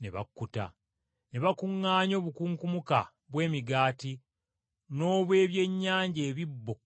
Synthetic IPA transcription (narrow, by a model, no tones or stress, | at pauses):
ne̞̰βa̰kːuta̰ | ne̞βakuŋːaːɲo̞ːβukuŋkumuka̰ | βwe̞ːmiɡaːti | no̞ːβwe̞ːβje̞ɲːaːɲɟe̞ːβibːo